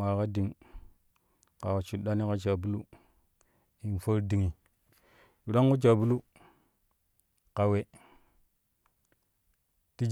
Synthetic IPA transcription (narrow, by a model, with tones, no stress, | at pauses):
a˨ka˦di˨ŋ | ka˨we˨t͡ʃu˨ɗa˦ni˦ka˦t͡ʃa˨bu˦lu˦ | i˨nfə˦ɾdi˨ŋi˨ | ju˨ɗa˦ŋku˦t͡ʃa˨bu˦lu˦ | ka˨we˨ | ti˦d͡ʒ